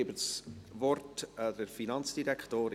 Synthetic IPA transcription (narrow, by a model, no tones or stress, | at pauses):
ɪbəsvɔrtdəɾfinɑnt͡sd̥iɾɛktoːɾ